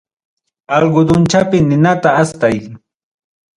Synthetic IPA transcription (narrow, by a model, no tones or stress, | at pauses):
ɑlɢʊd̪ʊnt͡ʃapɪnɪnat̪aːst̪aj